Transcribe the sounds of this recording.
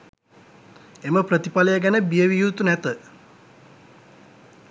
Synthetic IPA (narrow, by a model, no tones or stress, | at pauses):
eməprət̪ipaləjəɡænəbijəʋijuːt̪unæt̪ə